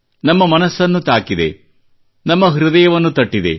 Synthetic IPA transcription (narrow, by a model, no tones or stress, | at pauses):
nɐmːɐmɐnɐsːɐnːut̪aːkid̪e̞̰ | nɐmːɐɦɾud̪ɐjɐʋɐnːut̪ɐʈːid̪e̞̰